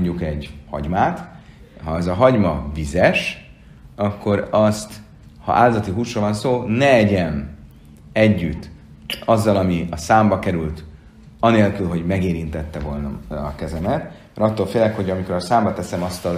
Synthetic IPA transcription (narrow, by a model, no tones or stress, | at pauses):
ɲɟukɛɟhɒ̰ɟmaːt̪ | ɦɒɛzɒɦɒɟmɒvizɛʃ | ɒkːo̞ɾɒst̪ | hɒ̰ʔaːlzɒt̪iɦuːsroːlvɒnsoːnɛɛɟɛm | ɛɟːyt̪ː | ɒzːɒlɒmiɒsaːmbɒkɛɾylt̪ | ɒneːlkylɦo̞ɟmɛɡeːɾint̪ɛt̪ːɛvo̞lnɒ̰ːkɛzɛmɛt̪mɛɾɒt̪ːolfeːlɛkho̞ɟɒmiko̞ɾɒsaːmbɒt̪ɛsɛmɒst̪ɒ